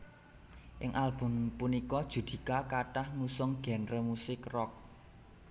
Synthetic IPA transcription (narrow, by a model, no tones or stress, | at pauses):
ʔɪŋʔalb̥ʊ̤mpunikɔd̥ʒ̥ṳd̪̥i̤kakaʈahŋusɔŋɡ̥ɛ̤nrəmusɪkrɔk̚